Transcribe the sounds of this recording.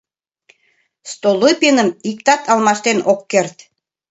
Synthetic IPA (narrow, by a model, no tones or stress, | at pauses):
st̪olˠojpenəmik̚t̪ɑt̪ɑlmɑʃt̪enʔokːert̪